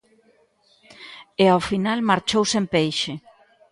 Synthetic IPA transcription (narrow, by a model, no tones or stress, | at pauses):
eawfinalmaɾt͡ʃowsempejʃe